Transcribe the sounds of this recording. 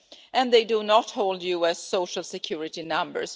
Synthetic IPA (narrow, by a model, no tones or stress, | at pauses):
ʔɨ̃nðeɪdunɔthoʊlˠdjuɛsːoʊʃəl̩ˠsɨkʰj̥uɹɪtinʌ̃mbə̰˞s